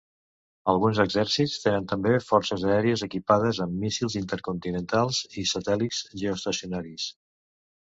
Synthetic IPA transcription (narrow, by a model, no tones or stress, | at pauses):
əlˠɣunzəɡzɛɾsit̪st̪enənt̪əmbefɔrsəzəɛɾiəzəkipað̞əzəmːisilˠzint̪əɾkunt̪inənt̪alˠzisət̪ɛlikzʒəost̪əsiunaɾis